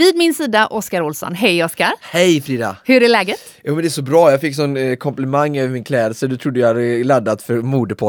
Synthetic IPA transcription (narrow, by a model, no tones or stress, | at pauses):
vɪːd̪mɪnsiːd̪aʔɔskaɾʊlsɔ̰nɦɛjɔskaɾhɛjfɾiːd̪a̰hɵɖɛlɛːɡət̪ | juːmɛnd̪ɛæʂɔbɾɑːjɑːɡfɪkːsɔnːkʰɔmplɛmaŋːøːvəɾmɪnkʰlɛːd̪əlsəd̪ɵt̪ʰɾʊd̪ːəjɑhad̪əlad̪ːat̪fœɾmuːd̪əpʰɔ